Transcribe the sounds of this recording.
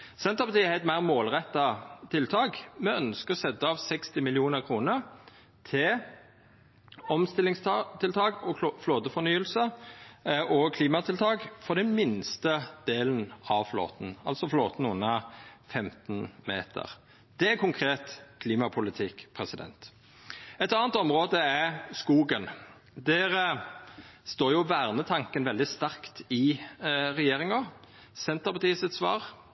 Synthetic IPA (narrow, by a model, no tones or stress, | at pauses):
sɛnt̪ʁəpɑt̪iːææɪt̪mæɪʁmoːlʁɛt̪ːɑt̪ʰɪlt̪ʰɑːɡmɛœnskəɔsɛd̪əɑʋsɛkst̪ɪmɪlɪuːnəʁkʰʁuːnəʁ | t̪ʰɪ | ɔmst̪ɪlːɪŋst̪ʰɪlt̪ʰɑːkɔfloːd̪əfɔnyːəlsə | ʔɔkʰliːmɑt̪ʰɪlt̪ʰɑːkfɔʁd̪ɛnmɪnst̪əd̪̥eːln̩ɑʋflo̰ːt̪n̩ɑ̰lsɔfloːt̪n̩ʉnːɑfɛmt̪nmḛːt̪ʰə̰ʁ | d̪̥ɛækʰʊŋkʰʁeːt̪kʰliːmɑpʰʊlɪt̪ʰɪkːpʰɾɛsɪd̪ɛ̰nt̪ | ɛt̪ɑːnt̪ɔmʁoːd̪əɛskuːɡən | d̪ɛʁ | st̪oːɾjʊʋæːʁnət̪ʰɑŋkənʋɛld̪ɪst̪æʁkt̪ɪ | ɾɛjeːɾɪŋɔ | sɛnt̪əpʰɑt̪ʰiːsət̪sʋɑ̰ːʁ